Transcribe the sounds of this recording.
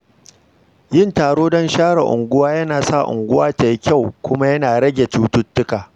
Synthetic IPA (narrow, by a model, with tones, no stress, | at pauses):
jɪ˦ntaː˨ɽoː˦dɔ˦nʃaː˦ɽa̰˨ʔʊ̰˨ŋɡʷʊ˦waː˦jɐ˦naː˨sa˦˨ʔʊ̰˨ŋɡʷʊ˦waː˦ta˨ji˦kʲa˦˨wkʷʊ˦ma˦jɐ˦naː˨ɽɐ˦ɡʲe˨tuː˦tʊ˦tːʊ˦kaː˨